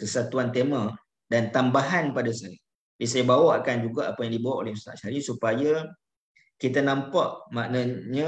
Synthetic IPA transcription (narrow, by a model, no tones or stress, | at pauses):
kəsat̪uant̪ema | dant̪ambaɦanpadasaja | bisajabawaʔkand͡ʒuɡaʔapajaŋdibawaʔo̰lɛhməsa̰ʔʃaɾisupaja | kit̪anãmpaʔmaʔnaɲa